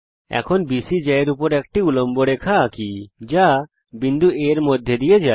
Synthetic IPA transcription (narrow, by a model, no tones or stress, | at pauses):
ɛ̰kʰɔnbisid͡ʒɛeɾupɔɾek̚ʈiulɔmboɽekʰakid͡ʒa | bind̪ʱueɾmod̪ʱjed̪ijed͡ʒaj